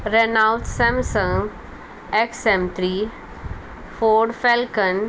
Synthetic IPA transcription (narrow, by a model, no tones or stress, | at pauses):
ɾenalt̪sɛ̃msə̃ŋ | eksɛmt̪ʰɾiː | foːɖfelkən